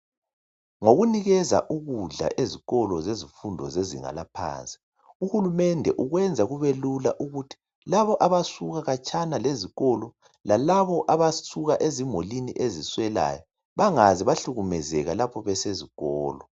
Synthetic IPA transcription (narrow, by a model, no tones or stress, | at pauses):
ŋoɣuniɣɛza̰ʔuɣuɮa̰ʔeziɣɔlɔzezifundʱɔ̰zezḭŋa̰lapʰa̰ːnt͡sʼi̥ | uhulumɛndʱɛʔuɣwɛnd͡zʱaɣuβelulaʔuɣutʰi̥ | laβɔʔaβasuɣaɣat͡ʃʼʰanaleziɣɔlɔ | lalaβɔʔaβasuɣaʔezimoliniʔeziswɛla̰jɔ | βaŋaziβaɬuɣumɛzɛɣalapʰɔβɛseziɣɔːlɔ